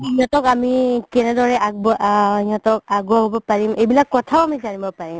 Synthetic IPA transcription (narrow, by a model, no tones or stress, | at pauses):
iɦɔ̃tɔkamikɛnɛdɔɹɛʔabɔijɔtɔkaɡuaɦobɔpaɹimejbilakːɔtʰaʊamizanibɔpaɹim